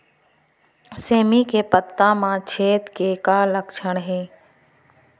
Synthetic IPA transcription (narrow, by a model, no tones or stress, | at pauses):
seːmikepət̪ːãːmãːt͡ʃʰeːt̪kekaːləkʃʰəɽ̃ɦeː